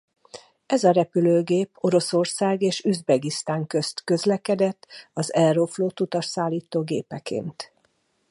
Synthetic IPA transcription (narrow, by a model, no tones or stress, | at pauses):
ɛzɒɾɛpyløːɡeːpo̞ɾo̞so̞rsaːɡeːʃyzbɛɡist̪aːŋkø̞st̪kø̞zlɛkɛd̪ɛt̪ːɒzɛlrofloːt̪ut̪ɒʃsaːlːiːt̪oːɡḛːpɛkḛːnt̪